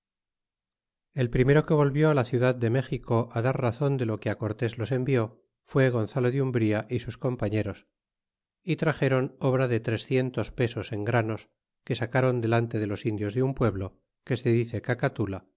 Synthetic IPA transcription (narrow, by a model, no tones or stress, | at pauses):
e̞lpɾime̞ɾo̞ke̞β̞o̞lβjo̞alaθjuðaðːe̞me̞xiko̞ʔaðaɾraθo̞nd̪e̞lo̞keako̞ɾt̪e̞zlo̞se̞mbio̞ | fwe̞ɣo̞nθalo̞ðjumbɾiaʔisusko̞mpaɲe̞ɾo̞s | it̪ɾaχe̞ɾo̞no̞β̞ɾaðe̞t̪ɾe̞sθje̞nt̪o̞spe̞so̞se̞ŋɡɾano̞s | ke̞sakaɾo̞nd̪e̞lant̪e̞ðe̞lo̞sind̪jo̞zðeumpwe̞βlo̞ | ke̞se̞ðiθe̞kakat̪ula